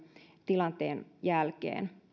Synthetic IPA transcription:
t̪ilɑnt̪eːnjælkḛːn

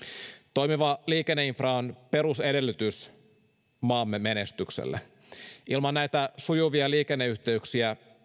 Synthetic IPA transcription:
t̪o̞jmiʋɑliːkenːeinfrɑonpe̞ɾuse̞de̞lːyt̪ys | mɑːmːeme̞nest̪yksḛlːḛ | ʔilmɑnnæjt̪æsujuʋiɑliːkenːeyht̪e̞yksiæ

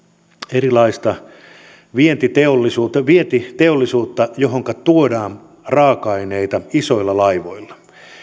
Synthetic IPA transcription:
eɾilɑist̪ɑ | ʋient̪it̪eolːisuːt̪ːʋient̪it̪eolːisuːt̪ːɑjoɦoŋkɑt̪uodɑːn | rɑːkɑineit̪ɑiso̞ilːɑlɑiʋoilːɑ̥

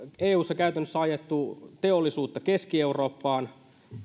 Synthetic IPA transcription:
eːuːsːɑkæyt̪ænːøsːæɑjet̪ːut̪eolːisuːt̪ːɑke̞skie̞uro̞ːpːɑːn

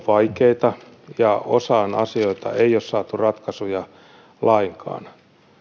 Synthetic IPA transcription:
ʋɑikeit̪ɑjɑo̰sɑːnɑ̰sioit̪ɑ̰eiossɑːt̪urɑt̪kɑsujɑ | lɑiŋkʰɑ̰ːn

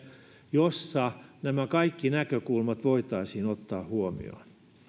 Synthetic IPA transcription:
josːɑnæmækɑikːinækøkulmɑt̪ʋoit̪ɑisiːnot̪ːɑːhhuomḭo̰n

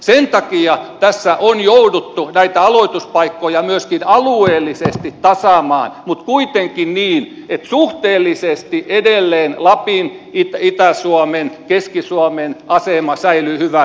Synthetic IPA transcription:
sent̪ɑkiɑt̪æsːæʔonjoudut̪ːunæit̪æɑloit̪uspɑikːojɑmyøskinɑlueːlːˑisest̪itt̪ɑsɑˑmɑ̰ːnmut̪kuit̪eŋkinniːn | et̪suht̪eːlːisest̪iʔedelːeːnlɑpinit̪æit̪æsuomenkeskisuomenʔɑsemɑsæilyhyʋæ

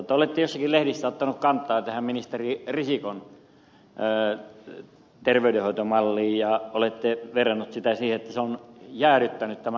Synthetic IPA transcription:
ot̪ːɑolet̪ːejosːɑkilehɾisːæot̪ːɑnukkɑnt̪ːˑɑːt̪æhæmminist̪eririsikon | t̪erʋeydehoˑit̪omɑlːiːjɑolet̪ːeʋerɑnːut̪sit̪æsiːheet̪ːæseonjæːɾyt̪ːænyt̪t̪æmæ

